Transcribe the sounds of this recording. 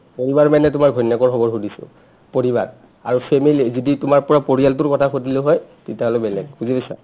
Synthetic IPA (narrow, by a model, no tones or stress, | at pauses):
poɹibaɹmɛnɛtʊmaɹɡʱɔjnjakɔɹxɔbɔɹɦudisʊ̰ | poɹiba̰ɹ | aɹupʰemilizititʊmaɹpɔɹapoɹialtʊɹkɔtʰaxotiloɦɔjtetiaɦɔlobɛlɛɡ̚buzibɛsa̰